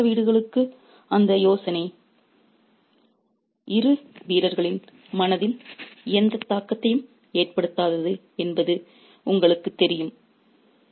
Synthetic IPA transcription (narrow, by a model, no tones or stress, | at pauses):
ɐʋiːɽɯɣɐɭɯkːɯ | ɐnd̪ɐjoːsɐnɐɪ | ʔɪɾɯʋiːɾɐɾɣɐɭɪn | mɐnɐðɪnɪjɐnd̪ɐt̪ːaːkːɐt̪ːɐjɯm | eːrpɐɽɯt̪ːaːðɐðɯ | ɛnbɐðɯ | ʊŋɡɐɭɯkːɯt̪ːɛɾɪjɯm